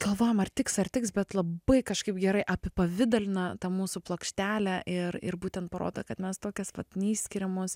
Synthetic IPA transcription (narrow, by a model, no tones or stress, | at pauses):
ɡ̥ɐlˠʋoːjomɐrt̪ʲɪksɐrt̪ʲɪksbʲɛt̪lˠɐbɐɪkɐʃkɐɪpɡʲɛɾɐɪʔɐpʲɪpɐʋʲɪd̪ɐlʲɪnɐt̪ɐmuːsuplˠokʃʲt̪ʲæːlʲæʔɪrɪ̰ɾbuːt̪ʲɛnt̪̚pɐɾo̰ːd̪ɐkɐt̪mʲɛst̪oːkʲɛsʋɐt̪nʲiːsʲsʲkʲɪɾʲɛmoːs